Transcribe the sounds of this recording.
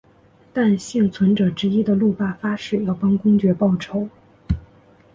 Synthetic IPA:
t̪a˥˧nɕi˥˩ŋt͡sʰwə˧˥nʈ͡ʂɤ˨˩ʈ͡ʂɻ̩˧˥i˥d̪ə˨lu˥˧pa˥˩fa˥ʂɻ̩˥˩jɑ˥˩ʊpɑ˥ŋkʊ˥ŋt͡ɕɥɛ˧˥pɑ˥˩ʊʈ͡ʂʰo˧˥ʊ

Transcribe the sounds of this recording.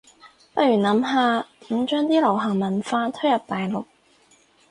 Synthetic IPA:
pɐ˥t̚ɥyː˨˩nɐ˨˥mɦaː˨˧m̩˨˧˥t͡ʃœː˥ŋt̪iː˥lɐ˨˩wɦɐ˨˩ŋmɐ˨˩nfaː˧t̪ʰɵ˥jɐ˨p̚t̪aː˨jlʊ˨˩k̚

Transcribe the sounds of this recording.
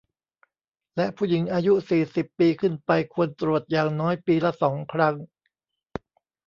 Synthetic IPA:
lɛ˦˥ʔpʰuː˥˩ji˩˦ŋʔaː˧ju˦˥siː˨˩si˨˩pːiː˧kʰɯ˥˩npa˧jkʰu˧ənt̪ɾu˨˩ət̪̚jaː˨˩ŋnɔː˦˥jpiː˧lɛ˦˥sɔː˩˦ŋkʰɾa˦˥ŋ

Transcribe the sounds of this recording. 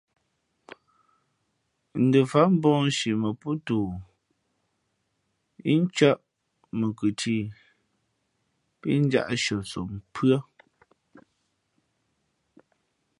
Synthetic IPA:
n̩˨də˨fa˨˦m̩˦bɔ̃ː˦ʃi˨mə˨pu˦tuː˨ | i˦n̩˦t͡ʃɔ˦ʔ | mə˨kʉ˨tʰi˦˨ | pi˦n̩˦d͡ʒa̰˦ʔʃɔ˨t͡so˨m˨pʰɰɔ˦

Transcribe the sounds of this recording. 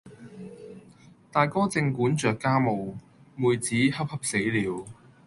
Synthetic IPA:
t̪aː˨jkɔː˥t͡sɪ˧ŋkuː˨˥nt͡ʃœː˨˩kːaː˥mo˨w | muː˨jt͡siː˨˥hɐ˥p̚hɐ˥p̚se˨˥jliː˨˥w

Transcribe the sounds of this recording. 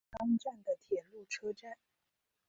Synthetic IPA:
ɑ˥ŋʈ͡ʂa˥˩nd̪ə˩t̪ʰjɛ˨˩nlu˥˩ʈ͡ʂʰɤ˥ʈ͡ʂa˥˩n

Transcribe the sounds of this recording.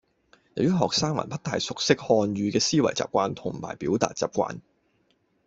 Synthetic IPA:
jɐ˨wjɐ˥ɦɔː˨k̚saː˥ŋmɐ̰˨˩npɐ˥t̚t̪aː˨jsʊ˨k̚sɪ˥k̚hɔː˧nɥyː˧kɛː˧siː˥wɐ̰˨˩jt͡sa̰ː˨p̚kʷwaː˧nt̪ʰʊ˨˩ŋ˨ma̰ː˨˩jpiː˨˥wt̪a̰ː˨t̚t͡saː˨p̚kʷa̰ː˧n

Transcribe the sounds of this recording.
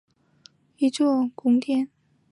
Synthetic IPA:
i˧˥t͡swɔ˥˧kʊ˥ŋt̪jɛ˥˨n

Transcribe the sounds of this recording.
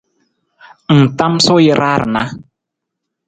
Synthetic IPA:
n̩˨ta˦mso˦ji˦ɾa˦ɾna˦

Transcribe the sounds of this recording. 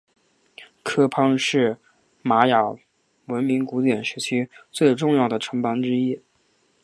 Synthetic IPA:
kʰɤ˥pʰɑ˥ŋʂɻ̩˥˩ | ma˧˥jɑ˨˩ʊ | wə˧˥nmi˧˥ŋku˧˥t̪jɛ˨˩nʂɻ̩˧˥t͡ɕʰi˥t͡swe˥˧ɪʈ͡ʂʊ˥˧ŋjɑ˥˩ʊd̪ə˩ʈ͡ʂʰɤ˧˥ŋpɑ˧˥ŋʈ͡ʂɻ̩˥i˥

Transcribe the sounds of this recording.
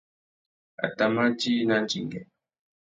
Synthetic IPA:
a̰˨ta˨ma˦ti˦na˦n˦d͡ʒi˨ŋɡɛ˨

